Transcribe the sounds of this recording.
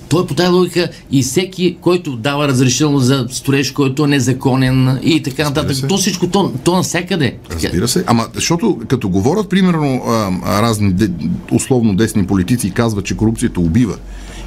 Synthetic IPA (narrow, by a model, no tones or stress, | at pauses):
t̪ɔjpot̪avˠubikə | isɛkʲikɔjt̪ʊd̪avəɾɐzɾɛʃit̪ɛlˠnszɐst̪ʊɾɛʃkɔjt̪ʊɛnɛzɐkɔnɛnit̪ɐkanɐt̪at̪əkt̪ɔsit͡ʃkot̪ɔt̪ɔnɐsʲakəd̪ɛt̪ɾɐzabḭɾəsɛʔamɐzɐʃt̪ɔt̪ʊkɐt̪ɔɡovɔɾʲət̪̚pɾimɛɾnoəɾaznid̪ɛʊ̰slˠɔvnod̪ɛsnipolit̪it̪sikazvɐt͡ʃɛkoɾup̚t̪sijət̪ɐʊbivə̰